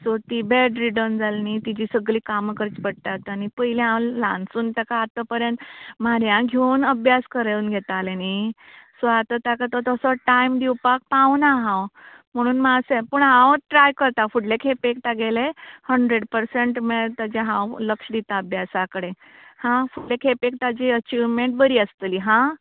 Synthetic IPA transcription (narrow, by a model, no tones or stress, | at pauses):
sot̪iːbeɖɾiɖənd͡zalnit̪id͡ʑiːsəɡliːkaməkəɾit͡spəɽ̚t̪at̪anipəileãwlãnsuːnt̪əkaːt̪əpəɾjənt̪maɾjãɡʱewnəbʱjaskəɾeunɡʱet̪alenisoat̪at̪akat̪ət̪əsɔʈaimd̪iwpak̚pãwnaɦãw | m̤əɽ̃uːnmasepuɳɦãwʈɾajkəɾt̪afuɽlekʰepekt̪aɡelehəɳɖɾeɽpəɾseɳʈmeɾt̪ad͡ʑaɦãwləkʂəd̪it̪aəbʱjasakəɽe | hãfuʈlekʰepek̚t̪ad͡ʑiət͡ɕiʋmẽɳʈ̚bəɾiːəst̪əliɦã